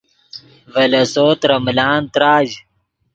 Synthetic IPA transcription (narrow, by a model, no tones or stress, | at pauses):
vɐlɐsoːt̪ɾɐmlaːnt̪ɾaːʑ